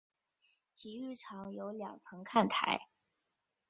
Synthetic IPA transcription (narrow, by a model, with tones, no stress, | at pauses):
t̪ʰi˧˥y˥˩ʈ͡ʂʰɑ˧˥ŋjo˧˥ʊljɑ̰˨˩ŋt͡sʰɤ˧˥ŋkʰa˥˩nt̪ʰa̰˧˥ɪ